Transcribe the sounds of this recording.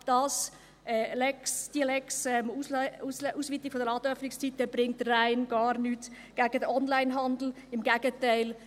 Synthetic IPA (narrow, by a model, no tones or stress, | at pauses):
d̥ɑːs | ɛlɛksd̥iəlɛksɛmusuːsʋiːtɪkfodəɾɑːdœfnɪkst͡sitəb̥ɾɪŋtəraɪnɡ̥ɑːɾnyːt | ɡ̥æɡ̥ədəʔɔnlaɪnɦɑnd̪l̩ | ɪmɡæɡ̥ətaɪl